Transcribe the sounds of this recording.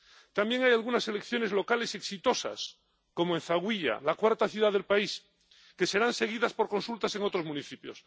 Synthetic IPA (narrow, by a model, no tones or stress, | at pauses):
t̪ambjeŋajalɣunase̞le̞kθjo̞ne̞zlo̞kale̞seksit̪o̞sa̰s | ko̞moẽnθaɣwiʎa̰lakwaɾt̪aθjuðaðelpais | ke̞se̞ɾanse̞ɣ̞iðaspo̞ɾko̞nsult̪ase̞ŋot̪ɾo̞zmũniθipjos